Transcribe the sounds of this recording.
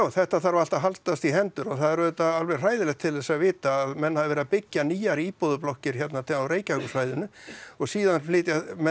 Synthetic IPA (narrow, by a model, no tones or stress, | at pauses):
wθɛht̪aθaɾvaɾal̥t̪aɦalt̪ast̪iɦɛnt̪ʏɾɔɣθaðɛɾðɛt̪aalvɛr̥r̥aːjðɪlɛxt̪ʰɪlðɛsaðvɪːt̪aːðmɛnːhaðɪvɛːɾðapɪcːaniːjaɾiːpɔðʏplɔhcɪɾ̥çɛt̪̬nat̪ʰɪawɾeːjcahœkʏsvajðʏnʏɔɣsiːðanflɪːt̪jamɛ